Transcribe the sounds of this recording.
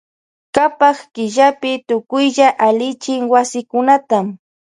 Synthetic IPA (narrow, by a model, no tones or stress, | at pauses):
kapaχkɪʒapɪt̪ʊkʊjʎaʔalɪt͡ʃɪŋwasɪkʊnat̪am